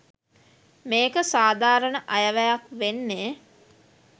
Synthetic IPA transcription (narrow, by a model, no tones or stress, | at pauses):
meːkəsaːd̪ʱaːɾənəʔɐjəʋæjakʋenːeː